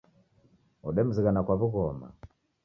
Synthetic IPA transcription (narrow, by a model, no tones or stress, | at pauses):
ɔɗɛm̩ziɣanakwaβuɣɔma̰